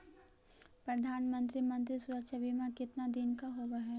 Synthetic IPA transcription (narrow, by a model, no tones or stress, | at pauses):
pɾɐd̪ʱaːnmə̃nt̪ɾimɐ̃nt̪̬ɾisʊɾəkʃabimãkɪt̪nad̪ɪnkaɦoʋaɦɛ